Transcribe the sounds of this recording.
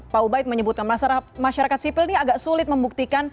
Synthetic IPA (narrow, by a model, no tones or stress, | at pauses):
paubaɪt̪̚məɲəbut̪kanmlasaɾamaʃaɾakat̪̚sipɪlniaɡaksulɪt̪̚məmbuk̚t̪ikan